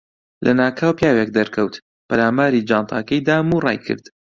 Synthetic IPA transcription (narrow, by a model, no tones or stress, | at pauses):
lʔɐ̰naːkʰaːwpjaːwek̚d̪ɐɾkʰɐwt̪ | pɐɾaːmaːɾid͡ʒɑːnt̪ʰɑ̰ːkɐjd̪aːmurɑ̰ːjkʰɨ̰ɾd̪̥